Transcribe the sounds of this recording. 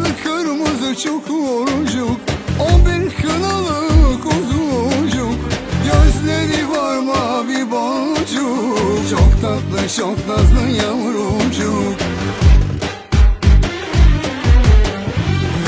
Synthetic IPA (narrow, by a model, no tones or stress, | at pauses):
ɯkʰaɾɯmɯzɯt͡ʃʰokʰuoɾud͡ʒukobiɾkʰɯnalˠɯkozuod͡ʒukɟøzlʲeɾivaɾmabibaud͡ʒut͡ʃʰokt̪ʰak̪lˠɯʃoklazlˠɯjamɯɾoud͡ʒuk